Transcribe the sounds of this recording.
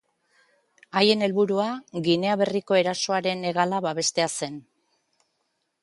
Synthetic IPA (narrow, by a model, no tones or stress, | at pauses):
aje̞ne̞lβuɾuaɣine̞aβe̞riko̞e̞ɾaso̞aɾe̞ne̞ɣ̞alaβaβe̞st̪e̞ase̞n